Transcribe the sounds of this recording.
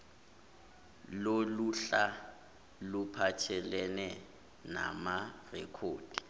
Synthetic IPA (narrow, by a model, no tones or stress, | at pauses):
loluɬa | lupʰatʰɛlɛnɛ | na̰marɛkʰoːd̥i